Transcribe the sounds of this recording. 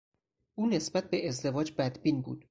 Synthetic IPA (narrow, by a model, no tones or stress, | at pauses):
ʔuːne̞sbæt̪̚ʰbeezd̪e̞vɒːd͡ʒbæd̪biːnbṵːd̪̥